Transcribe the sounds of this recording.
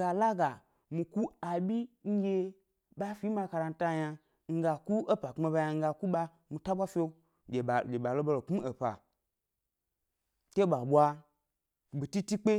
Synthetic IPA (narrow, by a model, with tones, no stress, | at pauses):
ɡa˧la˦ɡa˨ | mi˧ku˦a˨bʲi˦ŋ̩˦ɡʲe˧ | ɓa˦fi˨˦ma˧ka˧ɾa˧n̩˦ta˦ja˧ | ŋ̩˦ɡa˧ku˦o˦pa˨ke˧ba˧ja˧ŋ̩˦ɡa˧ku˦ɓa˧ | mi˧ta˦ɓʷa˦fʲe˦ | ɡʲe˨lʲe˨ɓa˨lo˦bo˧lo˨ku˦e˨pa̰˨ | te˦ɓa˨ɓʷa˧ | bi˨ti˦ti˦k͡pe˦